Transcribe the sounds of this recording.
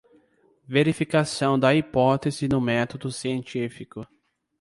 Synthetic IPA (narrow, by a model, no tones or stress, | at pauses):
veɾifikasɐ̃w̃d̪ɐipɔt̪ezɪnʊmɛt̪od̪ʊsiẽnt͡ʃifikʊ